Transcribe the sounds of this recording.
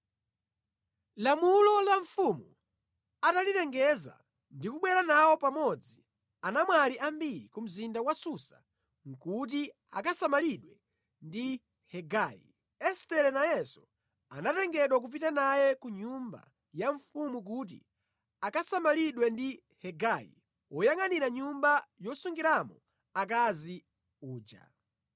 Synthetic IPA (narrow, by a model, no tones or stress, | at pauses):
lamulɔlaɱfumu | atalitɛŋɡɛza̰ | ndikuɓwɛɾanawɔpamɔd͡zi | anamwaliʔambiɾḭkum̩zindawasusa | ŋ̩kut̬i | a̰kasamaliɗwɛ | ndi | hɛɡaːjḭ | ɛstɛɾɛnajɛsɔ̥ | anatɛŋɡɛɗwak̬up̬itanajɛkuɲumba̰ | jaɱfumuk̬ut̬ḭ | akasamaliɗwɛndi | hɛɡajḭ | ɔjaŋaniɾaɲumbajɔsuŋɡiɾamɔ | akazi | uːd͡ʒa̰